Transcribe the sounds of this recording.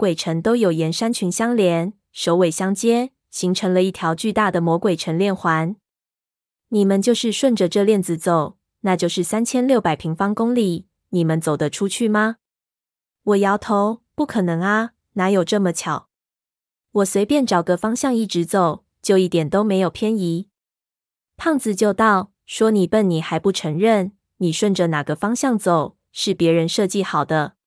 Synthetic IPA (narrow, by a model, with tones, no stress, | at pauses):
kwe˨˩ɪʈ͡ʂʰə˧˦˥ŋt̪o˥ʊjo˨˩ʊjɛ˧˥nʂa˥nt͡ɕʰy˧˥nɕjɑ˥ŋljɛ˧˥˦n | ʂo˧˥ʊwe˨˩ɪɕjɑ˥ŋt͡ɕjɛ˥ | ɕi˧˥ŋʈ͡ʂʰɤ˧˥ŋlə˧i˥˩t̪ʰjɑ˧˦ʊt͡ɕy˥˧t̪a˥˩d̪ə˨mwɔ˧˥kwe˨˩ɪʈ͡ʂʰə˧˥nljɛ˥˩nxwa˧˦n | ni˨˩mə˧˦nt͡ɕjo˥˧ʊʂɻ̩˥˧ʂwə˥˩nʈ͡ʂə˨ʈ͡ʂɤ˥˧ljɛ˥˩nd͡zɹ̩˨t͡so˨˩ʊ | na˥˧t͡ɕjo˥˧ʊʂɻ̩˥˩sa˥nt͡ɕʰjɛ˥nljo˥˩ʊpa˨˩ɪpʰi˧˥ŋfɑ˥ŋkʊ˥ŋli˨˩˦ | ni˨˩mə˦nt͡so˨˩ʊd̪ə˦ʈ͡ʂʰu˥t͡ɕʰy˥˩ma˩ | wɔ˨˩jɑ˧˥ʊt̪ʰo˧˥ʊpu˥˩kʰɤ˨˩nɤ˧˥ŋa˧ | na˧˥jo˨˩ʊʈ͡ʂɤ˥˩mə˨t͡ɕʰjɑ˨˩˦ʊ | wɔ˨˩swe˧˥ɪpjɛ˥˩nʈ͡ʂɑ˨˩ʊɡə˦fɑ˥ŋɕjɑ˥˧ŋi˥˩ʈ͡ʂɻ̩˧˥t͡so˨˩ʊ | t͡ɕjo˥˧ʊi˥˩t̪jɛ˨˩nt̪o˥ʊme˧˥ɪjo˨˩ʊpʰjɛ˥ni˧˥˦ | pʰɑ˥˩ŋt͡sɹ̩˨˩t͡ɕjo˥˧ʊt̪ɑ˥˩ʊ | ʂwɔ˥ni˨˩pə˥˩nni˨˩xa˧˦ɪpu˥˩ʈ͡ʂʰɤ˧˥ŋɻə˥˩n | ni˨˩ʂwə˥˩nʈ͡ʂə˨˩na˨˩ɡə˦fɑ˥ŋɕjɑ˥˩ŋt͡so˨˩ʊ | ʂɻ̩˥˩pjɛ˨˧˥ɻə˧˦nʂɤ˥˧t͡ɕi˥˨xɑ˨˩ʊd̪ə˦